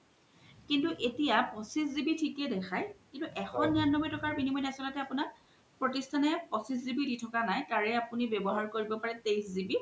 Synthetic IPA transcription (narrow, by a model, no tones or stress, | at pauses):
kintuʔetijapɔsiszibitʰikɛdɛxʰajkintuʔɛxʰɔnːianːɔbɔjtɔkaɹbinimɔjnasɔlɔtɛapuna | pɹotistʰanɛpɔsiszibiditʰɔkanajkaɹɛapunibebɔɦaɹkoɹibɔpaɹɛtejszibi